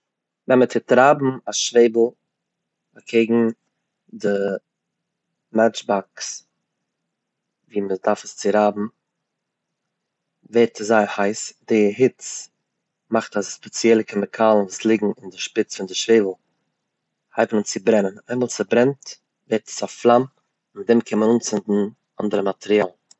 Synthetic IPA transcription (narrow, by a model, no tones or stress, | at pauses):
vɛnmətʰɪtɾaːbm̩aʃveɪbl̩ˠ | akʰeɪɡŋ̩ | dɪ | mɛt͡ʃbaks | viːmədaɾfəst͡sɪɾaːbm̩ | vɛɾtʰəszaɪhaɪsdɪɦɪt͡s | maχtasspɛt͡sjɛlˠəkɪməkʰaːlˠn̩vuːslˠɪɡŋ̩ɪndɪʃpɪt͡sfɪndɪʃveɪvl̩ˠ | haɪbn̩ʊnt͡sɪbɾɛnənaɪnmalˠt͡sɪbɾɛnt | vɛɾtʰə̥sɔflˠam | mɪt̚dɛmkʰɪnmənuːnt͡sɪndn̩ | andəɾəmatʰɛɾiaːlˠ